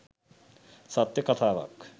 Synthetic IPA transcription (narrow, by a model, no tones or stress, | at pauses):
sɐt̪jɐkɐt̪ʰaːʋɐ̰k